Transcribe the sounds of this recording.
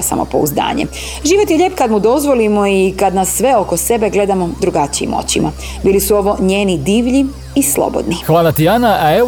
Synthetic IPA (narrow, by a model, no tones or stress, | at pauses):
sa̰mo̰po̞̰ṵzd̪a̰ːɲe | ʒiːʋo̞t̪jeʎe̞ːpkad̪mud̪o̞zʋo̞limo̞ikad̪nasːʋe̞o̞ko̞se̞beɡle̞d̪amo̞d̪ɾuɡat͡ɕiḭmo̰t͡ɕima | biːlisuo̞ʋo̞ɲeːnid̪iːʋʎiː | slo̰bo̞̰d̪nixʋaːlat̪ianaae